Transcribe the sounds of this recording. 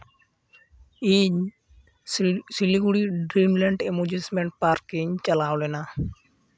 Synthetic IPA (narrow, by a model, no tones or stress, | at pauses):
iɲ | siliɡuɽiɖɾimleɳɖemud͡ʒismeɳʈ̚paɾkiɲt͡ʃəlaːwlena